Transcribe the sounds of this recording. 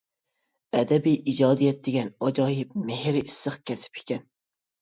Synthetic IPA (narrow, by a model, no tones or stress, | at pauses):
ɛd̪ɛbijʔid͡ʒɑːd̪ijɛt̪̚d̪eɡʲɛnɑd͡ʒɑːhɪpmɪhɾɪisːɨχkʲʰɛsɪ̥pʰɪ̥kʲɛn